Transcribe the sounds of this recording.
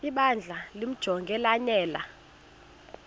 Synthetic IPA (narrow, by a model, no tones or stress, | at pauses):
iɓand͡ɮʱalim̩d̥ʒ̥ʱɔŋɡʱɛlanɛːla̰